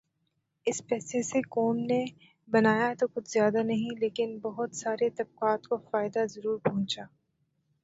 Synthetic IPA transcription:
ɪspɛːsesekoːmne | bɐnaːjat̪okʊt͡ʃʰzjaːd̪anɐɦĩleːkɪnbɐɦʊt̪saːɾet̪ɐb̚qaːt̪kofaːɪd̪azɐɾuːɾpɐɦʊ̃t͡ʃaː

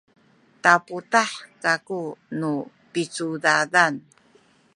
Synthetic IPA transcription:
taputaħkakunu | pit͡sudadan

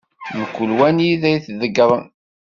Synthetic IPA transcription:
məkʷːulwæniðæjθðəɡɾˤən

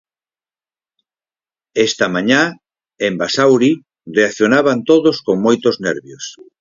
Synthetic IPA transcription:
est̪amãɲa | embasawɾi | reaθjonaβant̪oðoskoŋmojt̪oznɛɾβjos

